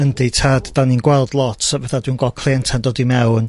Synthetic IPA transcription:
ənditʰaːddaninɡwɛlˠdlˠɔtʰvɛθadwinɡɔkʰl̥ˠeːntʰandoːdimɛwn

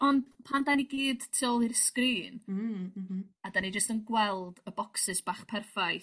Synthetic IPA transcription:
ɔndpʰandaniɡiːdtʰiɔlˠirskriːn | adanid͡ʒəstənɡwɛlˠdəbɔksɪsb̥aːχpʰɛrfaj

